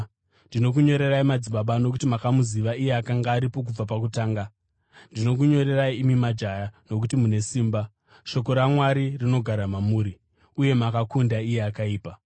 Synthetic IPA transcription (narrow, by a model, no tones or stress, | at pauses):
ndino̞k̬uɲo̞ɾe̞raimad͡ziɓaɓano̞k̬utimakamuziʋaije̞akaŋɡaːɾipo̞k̬ub͡vapak̬utaːŋɡa | ndino̞k̬uɲo̞ɾe̞raiːmimad͡ʒajano̞k̬utimune̞siːmba | ʃo̞ko̞ɾamwaɾirino̞ɡʱaɾamamuːɾi | uje̞makakundaije̞akaiːpa